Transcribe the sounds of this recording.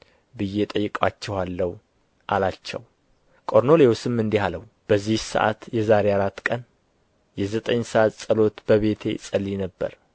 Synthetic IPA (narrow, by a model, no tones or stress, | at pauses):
bɨjːet̪ʼəjːɨkʼat͡ʃːɛhalːəhu | ʔalat͡ʃːɛ̰w | kʼo̞ɾno̞lewsɨmɨnd̪ihaləw | b̥əzːihsə̰ʔa̰t̪jɛzaɾejaɾat̪ːkʼən | jɛzət̪ʼəɲsəʔat̪sʼəlo̞t̪b̥əβe̞t̪ʰe̞̰sʼəlːinəbːə̰ɾ